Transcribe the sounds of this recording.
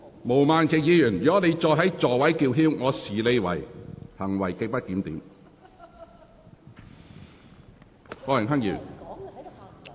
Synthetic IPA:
mo˨˩wmaː˨nt͡sʰɪː˨k̚jiː˨˧jyː˨˩njɔː˨˥le˨˧jt͡ʃɔː˧jɦɐ˨˥jt͡sɔː˨wɐ˨˥jkiː˧wɦiː˥wŋɔː˨˧siː˨˩le˨˧jwɐ̰˨˩jhɐ˨˩ŋwɐ˨˩jke˧pɐ˥t̚kiː˨˥mt̪iː˨˥m | fɔː˧jɐ˨˩ŋɦɐ˥ŋjiː˨˩n

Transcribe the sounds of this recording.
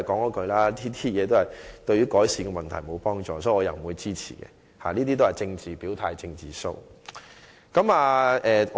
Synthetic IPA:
jkɔː˨˥ŋɔː˨˧˥kɵ˧ɥlaː˥niː˥t̪iː˥jɛː˨˧t̪o˥hɐ˨jt̪ɥyː˨˥kɔː˨˥jsiː˨˧ɡɛ˧mɐ˨nt̪ʰɐ˨˩jmo˨˧wpɔː˥ŋt͡ʃɔ̰ː˧sɔː˨˦˥i˨˩ɔː˨˧jɐ˨˩m̩˨˩wuː˨˧jt͡siː˥t͡sʰḭː˨˩kɛ̰˧ | ha̰˨niː˥t̪̬iː˥t̪̬o˥whɐ˨jt͡sɪ˧ŋt͡siː˨piː˨˥wt̪ʰaː˧jt͡sɪ˧ŋt͡siː˨˩so̰˥w | kɐ˨˥maː˨˧ʔɛː˨

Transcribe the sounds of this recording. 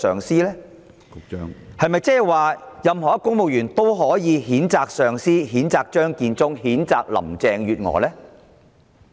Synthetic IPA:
sœː˨ŋsiː˥lɛː˥ | kʊ˧t͡ʃœ̰ː˥ŋhɐ˨jmɐ˨jt͡sɛː˥hɛ˨jwaː˨jɐ˨mhɔː˨˩jɐ˦˥kːʊ˥ŋmo˨wjyː˨˩nt̪o˥wɦɔː˨˥jiː˨˧hiː˨˥nt͡saː˧k̚sœː˨˩ŋsiː˥ɦiː˨˥nt͡saː˨˧k̚t͡ʃœː˥ŋkiː˧nt͡sʊ˥ŋhiː˨˥nt͡saː˨˧k̚lɐ̰˨˩mt͡sɛː˨˧ŋjyː˨˧t̚ŋɔ̰ː˨˧˦lɛː˥

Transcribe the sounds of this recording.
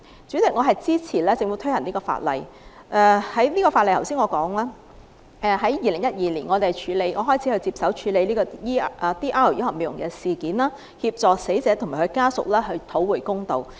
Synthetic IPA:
t͡syː˨˥t͡sɪ˨˩k̚ŋɔː˨˧ɦɐ˨jt͡siː˥t͡sʰiː˨˩lɛː˥t͡sɪ˧ŋfu˨˥t̪ʰɵ˥ɥhɐ˨˩niː˥kɔː˧fa̰ː˧t̚lɐ̰˨j | ʔɛ˧hɐ˨˥jnliː˥kɔː˧faː˧lɐ˨jt̪ʰwsiː˥nŋɔː˨˧kɔː˨˥ŋlaː˥ | ʔɛ˧ɦɐ˨˥jjiː˨lɪ˨˩ŋjɐ˥t̚jiː˨liː˨˩nŋɔː˨˧t̪e˨t͡ʃʰyː˨˥le˨˧jŋɔː˨˧ɦɔː˥jt͡sʰi˨˥hɵ˧t͡siː˧p̚sɐ˨˥wt͡ʃʰyː˨˧le˨˧jliː˥kɔː˧i˥ʔt̪iː˥ʔaː˥˨˩jɐ˥hɔː˨me˨˧jʊ˨˩ŋkɛː˧siː˨kiː˨˥nlaː˥ | hiː˧p̚t͡sɔː˨se˨˥jt͡sɛː˨˥t̪ʰʊ˨˩ŋmaː˨˩hɵ˧jkaː˥sʊ̰˨k̚lɛː˥ɦɵ˧t̪ʰo˨˥wwuː˨jkʊ˥ŋt̪o˨w

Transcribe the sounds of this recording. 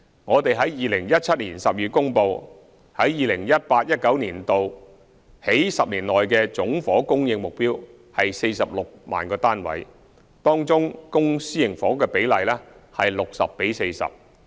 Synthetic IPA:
ŋɔː˨˧t̪e˨jɦɐ˨˥jjiː˨lɪ˨˩ŋjɐ˥t̚t͡sʰɐ˥t̚liː˨˩nsɐ˨p̚jyː˨t̚kʊ˥ŋpo˨˧w | hɐ˨˥jjiː˨lɪ˨˩ŋjɐ˥t̚paː˧t̚jɐ˥t̚kɐ˨˥wniː˨˩nt̪o˨w | he˨˥jsɐ˨p̚niː˨˩nlɔː˨jkɛː˧t͡sʊ˨˥ŋfɔː˨˥kʊ˥ŋjɪ˧ŋmʊ˨k̚piː˥w | hɐ˨jse˧jsɐ˨p̚lʊ˨k̚ma̰ː˨˩nkɔː˧t̪aː˥nwɐ̰˨˥j | t̪ɔː˥ŋt͡sʊ˥ŋkʊ˥ŋsiː˥jɪ˨˩ŋfɔː˨˥kɛː˧pe˨˥jlɐ˨jlɛː˥hɐ˨jlʊ˨k̚sɐ̰˨pːe˨˥jse˧jsɐ̰˨p̚

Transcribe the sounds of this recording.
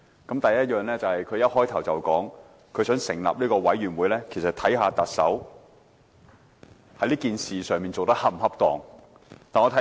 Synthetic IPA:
kɐ˨˥mt̪ɐ˨jɐ˥t̚jœː˨ŋlɛː˥t͡sɐ˨whɐ˨jkʰɵ˨˧jɐ˥t̚hɔː˥jt̪ʰɐ˨˩wt͡sɐ̰˨˩wkɔː˨˥ŋ | kʰɵ˨˧ɥsœː˨˥ŋsɪ˨˩ŋla̰ː˨p̚liː˥kɔː˧wɐ˨˥jɥyː˨˩nwuː˨˧jlɛː˥kʰe˨˩jsɐ˨t̪ʰɐ˨˥jɦaː˧t̪ɐ˨k̚sɐ̰˨˥w | hɐ˨˥jliː˥kiː˨nsiː˨sœː˨ŋmiː˨nt͡so˨wt̪ɐ˥k̚hɐ˥m̩˨˩hɐ˥p̚t̪ɔ̰ː˨˩ŋ | t̪aː˨nŋɔː˨˧t̪ʰɐ˨˦

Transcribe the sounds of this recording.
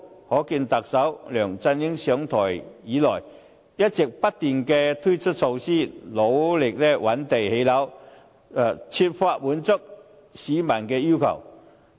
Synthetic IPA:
hɔː˨˥kiː˧nt̪ɐ˨k̚sɐ˨˥wlœː˨˩ŋt͡sɐ˧nji˥ŋsœː˨˥ŋt̪ʰɔː˨˩jjiː˨˥lɔ̰ː˨˩j | jɐ˥t̚t͡sɪ˨˩k̚pɐ˥t̚t̪iː˨˩nkɛː˧t̪ʰu˥jt͡ʃʰɵ˥t̚t͡so˧wsiː˥˩lo˨˥wlɪ˨˩k̚lɛː˥wɐ˨˥nt̪e˨jhe˨˥jlɐ˨˥w | t͡sʰi˧t̚faː˧t̚wuː˨˥nt͡sʊ˥k̚ | siː˨˥mɐ˨˩nkɛː˧ji˥wkʰɐ̰˨˩w

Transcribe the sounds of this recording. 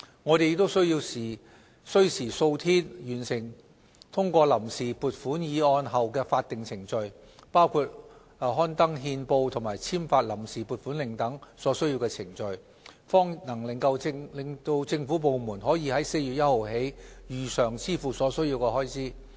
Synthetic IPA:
ŋɔː˨˧ɾe˨jɪ˧t̪o˥wsɵ˥ɥjiː˧wsiː˨˩ | sɵ˥ɥsiː˨˩so˧wt̪ʰiː˥njyː˨˩nsɪ˨˩ŋ | t̪ʰʊ˥ŋkʷɔː˧lɐ˨˩msiː˨puː˨t̚fuː˨˥njiː˨˧ɔː˧nɦɐ˨wkɛː˧faː˧t̚t̪ɪ˨ŋt͡sʰɪ˨˩ŋt͡ʃɵ˨ɥ | paː˥wkʰuː˧t̚ː | ɦɔː˥nt̪ɐ˥ŋɦiː˧npo˧wt̪ʰʊ˨˩ŋmaː˨˩jt͡sʰiː˥mfaː˧t̚lɐ˨˩msiː˨˩puː˨˩t̚fuː˨˥nlɪ˨˩ŋt̪ɐ˨˥ŋsɔː˨˥sɵ˥ɥji˧wkɛː˧t͡sʰɪ˨˩ŋt͡ʃɵ˨˧ɥ | fɔː˥ŋnɐ˨˩ŋlɪ˨ŋkɐ˧wɪ˧ŋlɪ˨ŋt̪o˧wt͡sɪ˧ŋfuː˨˥p̬o˨˧wmuː˨˩nɦɔː˨˥jiː˨˧hɐ˨˥jse˧jy˨t̚jɐ˥t̚ho˨wɦe˨˥jjyː˨sœː˨˩ŋt͡sʰiː˥fuː˨sɔː˨˥sɵ˥ɥjiː˧wkɛː˧hɔː˥jt͡sʰiː˥

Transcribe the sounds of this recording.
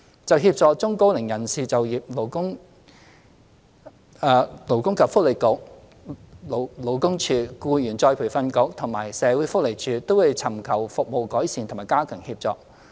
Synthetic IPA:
t͡sɐ˨wɦiː˧p̚t͡sɔː˨˧k̚t͡sʊ˥ŋko˧˥wlɪ˨˩ŋjɐ˨˩nsiː˨t͡sɐ˨wjiː˨p̚lo˨˩wkʊ˥ŋ˨˧ | lo˨˩wkʊ˥ŋkɐ˨p̚fʊ˥k̚le˨˩jkʊ˧˥k̚ | lo˨˩wkʊ˥ŋt͡ʃʰyː˨˧kuː˧jyː˨˩nt͡sɔː˧jpʰuː˨˩fɐ˧nkʊ˨˧˥k̚t̪ʰʊ˨˩ŋmaː˨˩jsɛː˨˧wuː˨˥jfʊ˥k̚le˨˩jt͡ʃʰyː˨t̪o˥wu˨˧jt͡sʰɐ˨˩mkʰɐ˨˩wfʊ˨k̚mo˨wkɔː˨˥jsiː˨nt̪ʊ˨˩maː˨˩jkaː˥kʰœː˨˩ŋhiː˧p̚t͡sɔ̰ː˧k̚

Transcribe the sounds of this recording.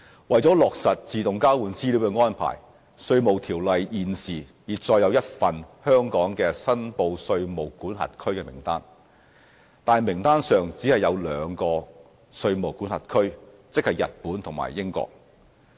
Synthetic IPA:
wɐ˨jt͡sɔː˨˥lɔː˨k̚sɐ˨t̚t͡siː˨t̪ʊ˨ŋkaː˥wuː˨˥nt͡siː˥li˨˥wkɛ˧ŋɔː˥npʰa̰ː˨˩j | sɵ˧ɥmo˨wt̪ʰiː˨˩wlɐ˨jiː˨nsiː˨˩jiː˨˩t͡sɔː˧jɐ˨˧wjɐ˥t̚fɐ˨nhœː˥ŋkɔː˨˥ŋkɛː˧sɐ˥npo˧wsɵ˧ɥmo˨˩wkuː˨˥nɦɐ̰˨t̚kʰɵ˥ɥkɛː˧mɪ̰˨˩ŋt̪aː˥n | t̪aː˨˩nmɪ˨˩ŋt̪aː˥nsœː˨ŋt͡siː˨˥hɐ˨jːɐ˨˧wlœː˨˧ŋkɔː˧ | sɵ˧ɥmo˨˩wkuː˨˥nhɐ̰˨t̚kʰɵ˥ɥ | t͡sɪ˥k̚hɐ˨jɐ̰˨t̚puː˨˥nt̪ʰʊ˨˩ŋma̰ː˨˩jːɪ˥ŋkɔ̰ː˧k̚

